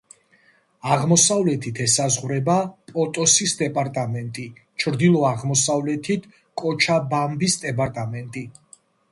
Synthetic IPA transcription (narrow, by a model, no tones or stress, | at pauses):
aʁmɔsavlɛt̪ʰit̪ʰɛsazʁwɾɛbapʼɔt̪ʼɔsisd̪ɛpʼaɾt̪ʼamɛnt̪ʼit͡ʃʰɾd̪ilˠɔaʁmɔsavlɛt̪ʰit̪ʰ | kʼɔt͡ʃʰabambisd̪ɛbʼaɾt̪ʼamɛnt̪ʼi